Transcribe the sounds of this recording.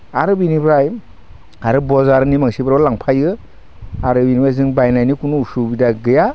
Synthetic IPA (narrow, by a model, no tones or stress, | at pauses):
aɾɯbinibɾaj | aɾɯbɔzaɾnimaŋsibaɾɔwlaŋpʰajɯ | aɾɯbinibajzɯŋbajnajnikunuusubidaɡɯja